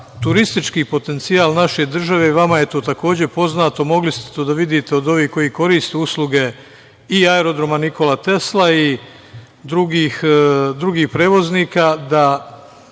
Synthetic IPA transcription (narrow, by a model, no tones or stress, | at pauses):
t̪uɾist̪it͡ʃkiːpo̞t̪e̞nt̪siaːlˠnaʃe̞d̪r̩ʒaʋe̞iʋamajet̪o̞ːt̪ako̞ːd͡ʑe̞po̞znaːt̪o̞mo̞ɡlist̪e̥t̪od̪aʋid̪it̪eod̪o̞ʋiːko̞jiko̞ɾiːst̪euslˠuɡe̞ | iaeɾo̞d̪ɾo̞maniko̞lat̪e̞slai | d̪ɾuɡixd̪ɾuɡiːxpɾe̞ːʋo̞zniːkad̪a